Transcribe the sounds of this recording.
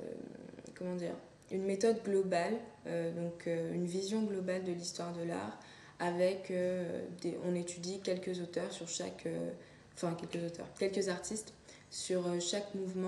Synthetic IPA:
kɔmɑ̃d̪ḭːʁ | ynmet̪ɔd̪ɡlɔbalød̪ɔ̃kʰøynvizjɔ̃ɡlɔbald̪əlist̪waʁd̪əla̰ʁ | avɛkø̰d̪eʔɔ̃net̪yd̪ikʲɛlkəzot̪œʁsyʁʃa̰kø̃ | fɛ̃kʲɛlkəzot̪œ̰ʁkʲɛlkəzaʁt̪ist̪ | syʁøʃakmuvmɑ̃

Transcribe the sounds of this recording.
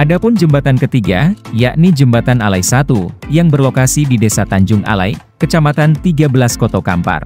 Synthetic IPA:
ʔadapʊnd͡ʒəmbat̪ankət̪iɡa̰jaʔnid͡ʒəmbat̪analajsat̪ujaŋbərlokasididesat̪aɲd͡ʒʊŋʔa̰la̰ikət͡ʃamat̪ant̪iɡabəlaskɔt̪oka̰mpa̰r

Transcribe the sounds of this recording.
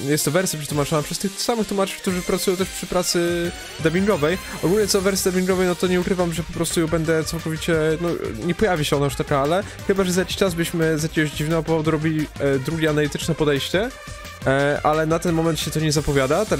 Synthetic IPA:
jɛst̪ːɔvɛɾsʲjapʂɛt̪wumat͡ʂɔnapʂɛst̪ɘxt̪samɘxt̪umat͡ʂɨ̥k̚t̪uʐɨpɾat̪sujɔ̃wt̪ɛʂpʂɘ̥pɾat̪sɘ | d̪abʲiŋɡɔvɛj | ɔɡulɲɛt̪sɔvɛɾsʲjid̪abʲiŋɡɔvɛjnɔt̪ɔɲɛukɾɘvamʐɛpɔpɾɔst̪ujubɛnd̪ɛt̪sawkɔvʲit͡ɕɛnɔɲɛpɔjavʲiɕɛɔnajuʂt̪akaalɛ | xɘbaʐɛzajakʲi̥ɕt͡ʂazbɘɕmɘzajakʲeɡɔɕʑd͡ʑivnɛɡɔpɔvɔd̪uɾɔbʲilʲid̪ɾuɡʲɛanalit̪ɘt͡ʂnɛpɔd̪ɛjɕt͡ɕɛ | ʔalɛnat̪ɛnmɔmɛnt̪ɕɛt̪ɔɲɛzapɔvʲjad̪at̪a

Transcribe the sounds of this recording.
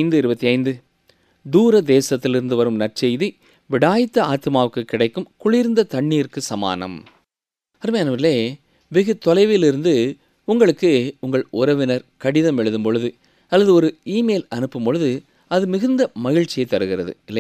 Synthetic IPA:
ɪnd̪ɯɪɾɯbɐt̪ːiɐɪnd̪ɯ | d̪uːɾɐd̪eːsɐt̪ːɪlɪɾɯnd̪ɯʋɐɾɯmnɐrt͡ʃɛjði | ʋɪɽaːjɪt̪ːɐaːt̪ɯmaːʋɯkːɯkːɪɽɐɪkːɯmkʊɭɪɾnd̪ɐt̪ɐɳːiːɾkɯsɐma̰ːnɐ̰m | ɐɾɯmɐjaːnɐʋɪlːeː | ʋɪɣɯt̪ːɔlɐɪʋɪlɪɾɯnd̪ɯ | ʊŋɡɐɭɯkːɯʊŋɡɐɭʊɾɐʋɪnɐɾkɐɽɪðɐmɛɻɯðɯmpɔɻɯðɯ | ɐlːɐðɯɔɾɯiːmeːlɐnɯpːɯmpɔɻɯðɯ | ɐðɯmɪɣɯnd̪ɐmɐɣɪɻt͡ʃːɪjɐɪt̪ːɐɾɯɣɪɾɐðɯ̰ɪlːɐ

